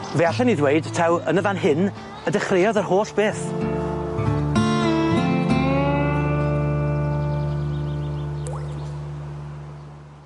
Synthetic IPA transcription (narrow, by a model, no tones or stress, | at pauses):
veaɬɛniðwejɨd̥tʰawənəvanɦɪn | ədəχrejɔðərhoːɬb̥eːθ